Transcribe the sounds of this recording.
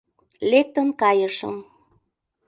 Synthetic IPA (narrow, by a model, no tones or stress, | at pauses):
lek̚t̪ə̆nkɑjəʃə̰m